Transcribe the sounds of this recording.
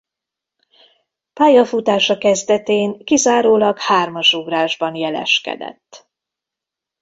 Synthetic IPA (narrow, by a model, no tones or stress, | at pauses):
paːjɒfut̪aːʃɒkɛzd̪ɛt̪eːŋkizaːɾoːlɒkhaːrmɒʃuvraːʒbɒnjɛlɛ̰ʃkɛ̰d̪ɛ̰t̪ː